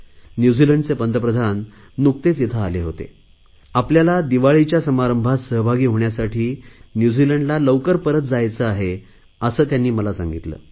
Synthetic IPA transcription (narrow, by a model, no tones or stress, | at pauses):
njud͡ziləɳɖt͡sepənd̪əpɾəd̪ʱanː | uk̚t̪et͡sjet̪ʰaːleɦot̪ḛ | apljalad̪iʋaɭit͡ɕjasəmaɾəmbʱat̪səɦbʱaɡiːɦoɳjasaʈʰiːnjud͡ziləɳɖlaləʋkəɾpəɾət̪̚d͡zajt͡səaɦe | əsəːt̪janːiːməlasa̰ŋɡit̪lə̰ː